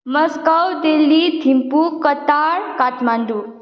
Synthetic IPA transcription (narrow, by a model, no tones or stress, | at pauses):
məskəwd̪elːid̪ʱimpukət̪aɾkat̪maɳd̪u